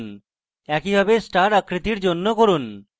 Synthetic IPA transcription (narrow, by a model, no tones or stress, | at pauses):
n | ɛkibʱabesʈaɾakɾit̪iɾd͡ʑonːokoɾun